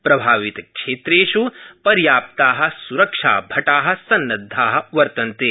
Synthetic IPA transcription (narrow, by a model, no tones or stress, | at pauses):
pɾɐbʱaːʋɪt̪kʃeːt̪ɾeːʃupɐɾjaːp̚t̪aːɦɐ̆suɾɐkʂa̰ːbʱɐʈaːɦɐ̆sɐnːɐd̪ʱːaːɦɐ̆ʋɐɾt̪ɐnt̪e